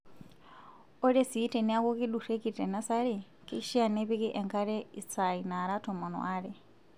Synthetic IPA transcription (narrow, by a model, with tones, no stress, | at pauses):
ɔ˦ɾe˦si˨i˦tɛ˨ni˦a˦ku˦ki˦ɗu˨ɾe˦ki˨tɛ˨na˦sa˦ɺi˨ | ki˦kʃi˦a˨nɛ˦βi˦ki˦ʔɛ˨ŋkʰa˦ɾɛ˦i˨t͡sa˨i˨na˨ɾa˦tʰɔ˨mɔ˨nɔ̰˨ʔaː˦ɺɛ˨